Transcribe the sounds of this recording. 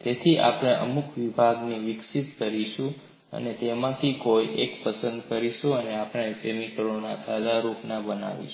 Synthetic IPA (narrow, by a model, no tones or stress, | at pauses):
t̪et̪ʰiʔa̰pɽ̃eʔə̰mukʋibʱaɡniʋɪksit̪kəɾiʃũ | ə̰net̪emãt̪ʰikojʔekpəsənd̪kəɾiʃũəneapɽ̃esemikəɾonasad̪aɾupnabəna̰ʋḭʃ